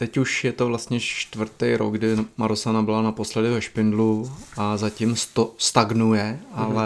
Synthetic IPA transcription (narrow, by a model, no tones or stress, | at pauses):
t̪ɛcuʃjɛt̪ovlast̪ɲɛt͡ʃt̪vr̩t̪ɛjɾo̰ɡɡdɪmaɾosanabɪlanapo̞slɛdɪvɛʃpɪndluʔazacɪmst̪ost̪aɡnujɛʔalɛ